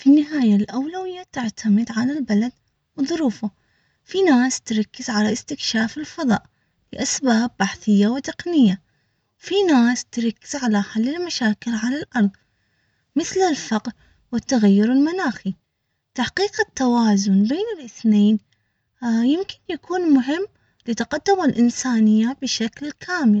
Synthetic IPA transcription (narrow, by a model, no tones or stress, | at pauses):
finːɪɦaːjalʔawlawɪjːat̪ɪʕt̪ʰamɪd̪ʕalalbalad̪ | wðˤʊɾuːfa | finaːst̪ɾˤɑkːɪz̥ʕalaʔɪst̪ɪkʃaːfɪlfɑðˤɑ̰ːʔ | lɪʔasbaːbːaħθɪjːawɪt̪ɪqnɪjːa | wfinaːst̪ɾˤɑkːɪz̥ʕalaħalːɪlmaʃaːkɪlʕalalʔɑɾˤðˤ | mɪθlɪlfɑqɾ | wɪt̪ːaɣajːʊɾɪlmanaːxi | t̪aħqiːqt̪ːawaːzʊnbeːnɪlʔɪθneːn | jɪmkɪ̥njakʰuːnmʊɦɪmː | lɪt̪aqad̪̥ːʊmɪlʔɪnsaːnɪjːabɪʃaklkʰaːmɪl